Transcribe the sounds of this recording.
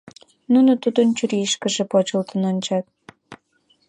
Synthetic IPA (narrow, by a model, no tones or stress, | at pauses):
nunot̪ud̪ənt͡ɕyɾiʃkə̆ʒĕpot͡ɕəlt̪ə̆nonʲt͡ɕɑt̪̚